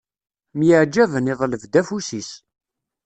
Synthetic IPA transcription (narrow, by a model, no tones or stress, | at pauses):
mjəʕd͡ʒːævəneðˤləvd̪æfusis